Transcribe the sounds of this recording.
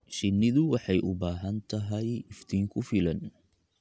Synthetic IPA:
ʃɪnːɪðʊwɑħɑjʔʊbaːɦɐnt̪ʰɐɦɛjɪft̪ʰiːŋkʰʊfɪlɐn

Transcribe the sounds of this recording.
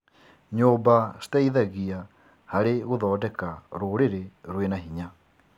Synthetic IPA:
ɲoːbastaiðaɣia | haɾeɣoðɔːdɛkaɾoːɾeɾeɾwenaɦiɲa

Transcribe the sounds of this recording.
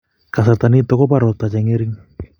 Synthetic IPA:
kasat̪anit̪ɔkɔpaɾat̪at͡ʃaŋiɾiŋ

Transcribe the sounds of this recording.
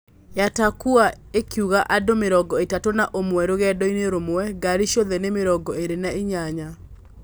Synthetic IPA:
jatakua | ekiuɣaʔadomeɾɔɡɔetatonaʔomwɛɾoɣɛdɔineɾomoɛɡaɾiʃjɔðɛnemeɾɔɡɔeɾenaeɲaɲa

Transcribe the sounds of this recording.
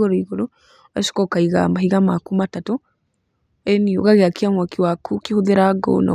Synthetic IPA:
ɣoɾoiɣoɾo | aʃi̥kɔkaiɣa̰mbahiɣamakumatatu | ɛnio̰ɣaɣeakiamakiwakʰukihuðeɾaɡo̰na̰

